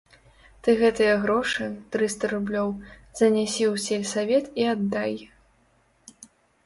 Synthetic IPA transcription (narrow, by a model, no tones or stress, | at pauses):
t̪ɨɣɛt̪ɨjɐɣɾɔʂɨt̪ɾɨst̪ɐɾublʲɔwzɐnʲasʲiwsʲelʲsavʲɛt̪iad̪ːaj